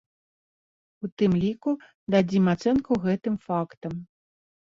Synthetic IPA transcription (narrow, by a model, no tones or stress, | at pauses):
ut̪ɨmlʲiku | d̪ad͡zʲimat̪sɛnkuɣɛt̪ɨmfakt̪ɐm